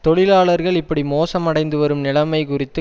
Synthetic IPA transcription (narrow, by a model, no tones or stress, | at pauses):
t̪ɔɭɪlaːɭɐɾɣɐɭɪpːɐɽimoːsɐmɐɽɐɪnd̪ɯʋɐɾɯmnɪɭɐmɐɪkʊrɪt̪ːɯ